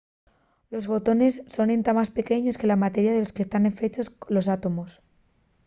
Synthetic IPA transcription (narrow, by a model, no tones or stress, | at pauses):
lo̞sfo̞t̪o̞ne̞sːo̞nent̪amaspe̞ke̞ɲo̞ske̞lamat̪e̞ɾjaðe̞lo̞skest̪ane̞ɱfe̞t͡ʃo̞slo̞s̬at̪o̞mo̞s